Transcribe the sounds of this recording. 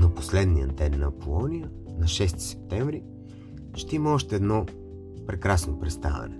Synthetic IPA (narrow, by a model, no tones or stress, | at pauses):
noposlɛd̪nijəd̪ɛnːɐpolˠɔnijə | nɐʃɛst̪i̥sɛ̥p̚t̪ɛɱvɾi | ʃt̪ɛiməɔʃt̪ɛːd̪nɔ | pɾɛkɾasnopɾɛt̪st̪a̰vɛ̰nɛ